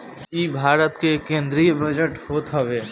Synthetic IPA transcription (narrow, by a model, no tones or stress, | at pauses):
ibʱaːɾət̪kekẽːnd̪ɾijbəd͡ʒəʈhoːt̪ɦɐʋeː